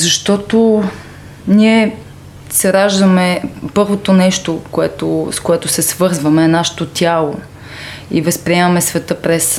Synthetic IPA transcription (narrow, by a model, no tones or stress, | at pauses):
zɐʃt̪ɔt̪o | niɛ | sɛɾaʒd̪əmɛpɤɾvot̪onɛʃt̪okoɛt̪oskoɛt̪ʊsɛsvɤɾzvɐmɛnaʃɛ̥t̪ot̪ʲjalˠo | ḭvɐspɾiɛmɐmɛsvɛt̪ɤpɾɛs